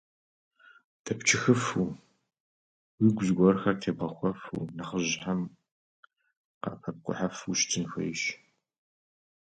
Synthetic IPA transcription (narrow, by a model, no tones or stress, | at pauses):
dʰɐpt͡ʃʰɪxɨfu | wiɡʷʊzɡʷɔrxɐrtʰeːbɐxʷɔfṵnaχəʑħam | qɐ̰pʰɐp̚qʷʼʊ̰ħafuʃtʰɨnxʷɐ̰jʃ